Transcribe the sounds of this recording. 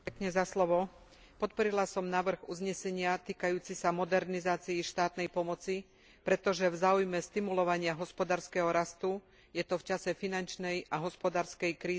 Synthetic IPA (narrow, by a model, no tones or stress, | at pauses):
kɲɛzaslɔʋɔ | pɔt̪̚pɔɾilasɔmnaːʋr̩ɣṵzɲɛsɛɲɪat̪iːkajuːt͡sisamɔd̪ɛɾnizaːt͡siiʃt̪aːt̪nɛjpɔmɔt͡si | pɾɛt̪ɔʒɛvzaːujmɛst̪imulɔʋaɲɪaɦɔspɔd̪aːɾskɛɦɔɾast̪u | jɛt̪ɔft͡ʃasɛfinant͡ʃnɛjaɦɔspɔd̪aːɾskɛjkɾiː